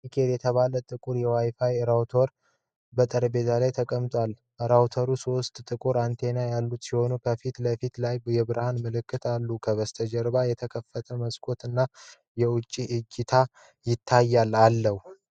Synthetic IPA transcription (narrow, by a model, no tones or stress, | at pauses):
mikʰe̞ljɛt̪ʰəβalət̪ʼɨkʼuɾjɛwajfajɾawt̪ʰo̞ɾ | bət̪ʼəɾəbe̞t̪ʰalajt̪ʰəkʼəmt̪ʼwal | ɾawt̪ʰəɾuso̞st̪ʼt̪ʼɨkʼuɾant̪ʰe̞najalːut̪siho̞nukʰəfit̪ləfit̪lajbjɛβɨɾahanmɨlɨkːɨt̪ʰalːukʰəβəst̪ʰəd͡ʒɛɾbajɛt̪ʰəkʰəfːət̪ʰəməskʰo̞t̪ɨnːa | jɛwʊt͡ʃʼːiʔɨd͡ʒɪt̪ʰa | jɪt̪ʰːajːalːalːəhu